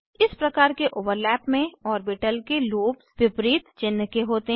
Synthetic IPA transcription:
ɪspɾɐkaːɾkeʔoːʋəɾlɛːpmẽɔːɾbɪʈəlkeloːpsʋɪpɾiːt̪t͡ʃɪnːkeɦoːt̪eɦ

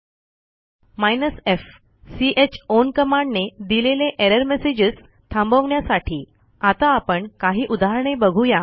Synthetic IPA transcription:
majnəsef | siʔet͡ɕonkəmaɳɖned̪ileleʔeɾəɾmesed͡ʑəs | t̪ʰãmbəʋɳjasaʈʰiː | at̪aːpəɳkaɦiːʔud̪aɦɾɳ̃ebəɡʱũja

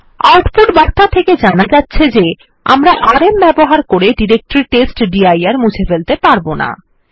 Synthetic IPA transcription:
a̰ɾʈfuʈbaɾt̪ʰat̪ʰeked͡ʑanad͡ʑatːɕʰed͡ʑe | a̰mɾaʔaɾembɛboɦaɾkoɾeɖiɾek̚ʈɾiɾʈesʈɖiajaɾmud͡ʑʰefelt̪epaɾbona̰

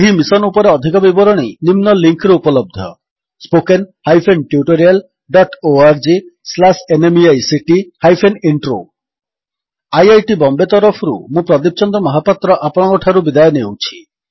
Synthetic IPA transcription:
ɦimisɔnupɔɾeɔd̪ʱikɔbibɔɾɔɽ̃inimnɔliŋkɾeupɔlɔb̚d̪ʱɔ | spokenhajpʰenʈjuʈoɾial | ɖɔʈoaɾd͡ʒislasenemiajsiʈihajpʰeniɳʈɾo̰ | ajajʈibɔmbet̪ɔɾɔpʰɔɾṵmũpɾɔd̪ip̚t͡ʃɔnd̪ɔmɔɦapat̪ɾɔʔapɔɽ̃ɔkɔʈʰaɾubid̪ajɔnewt͡ʃʰi̥

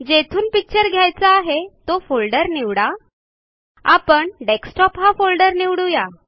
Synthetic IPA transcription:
d͡ʑet̪ʰuːnpik̚t͡ɕəɾɡʱjajt͡saːɦet̪ofolɖəɾniʋɽa | apəɳɖeksʈɔpɦafolɖəɾniʋɽuja

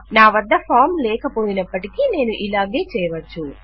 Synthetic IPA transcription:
naːʋɐd̪ːɐpʰaːɾmlɛːkɐpo̞ːjinɐpːɐʈikine̞ːnuʔilaːɡeːt͡ʃɛːjɐʋɐt͡ʃːu

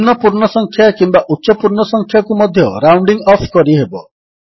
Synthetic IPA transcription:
nɔpuɾɳɔsɔŋkʰjakimbaʔut̪ːʃɔpuɾɳɔsɔŋkʰjakumɔd̪ʱjɔɾawɳɖiŋɔpʰkɔɾiɦebɔ

